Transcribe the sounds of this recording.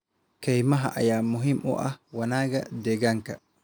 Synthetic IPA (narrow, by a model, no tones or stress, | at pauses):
kɛjmaɦa̰ʔa̰jaːmuɦimʔɔ̰ʔawanaːɡad̪ɛɡaŋka